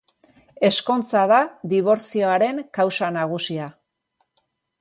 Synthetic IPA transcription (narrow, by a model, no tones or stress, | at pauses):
e̞sko̞nt͡saðaðiβ̞o̞ɾt͡sio̞aɾe̞ŋkawsanaɣ̞usia